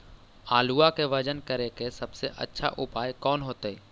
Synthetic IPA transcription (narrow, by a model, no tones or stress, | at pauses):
aːluakeʋɐd͡ʒənkəɾekesɐbseʔə̰tːʃʰaʔʊpaːjkɔːnɦoːt̪eɛː